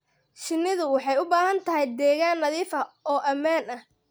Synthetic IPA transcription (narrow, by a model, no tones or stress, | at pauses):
ʃɪnːɪðʊwɑħɑjʊbaːɦɐnt̪ʰɐɦɛjd̪ɛːɣaːnːɐðiːfɐɔːʔɐmaːnɐh